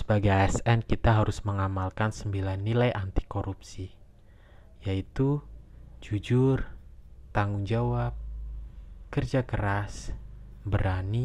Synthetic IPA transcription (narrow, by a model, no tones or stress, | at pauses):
sə̥baɡajɛsɛnkit̪aɦaɾʊsməŋamalkansəmbilanːilajʔant̪i̥koɾupsi | jait̪u | d͡ʒud͡ʒʊrt̪aŋʊŋd͡ʒawap̚ | kərd͡ʒakəɾasbəɾani